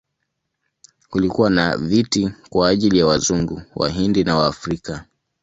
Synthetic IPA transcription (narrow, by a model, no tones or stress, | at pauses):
kulikuwana̰vitikwaːʄilijawazuŋɡṵwʔa̰ɦindinawaːfɾika